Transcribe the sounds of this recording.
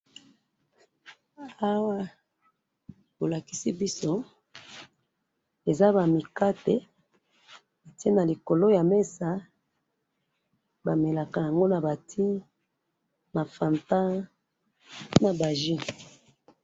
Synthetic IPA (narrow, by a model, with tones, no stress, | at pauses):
a˦wa˦ | bo˨la˨ki˨si˦bi˦so˦ | e˨za˦ba˨mi˨ka˦te˨˦ | a˨te˦na˨li˨ko˨lo˦ja˨me˦sa˨˦ | ba˨me˨la˨ka˨ja˨ŋɡo˦na˨ba˨tʰi˦ | na˨fa˨nta˦ | na˨ba˨ʒi˦